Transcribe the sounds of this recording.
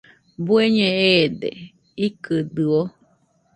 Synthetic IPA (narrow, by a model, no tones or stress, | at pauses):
bueɲẽed̪ḛ | ikɨd̪ɨo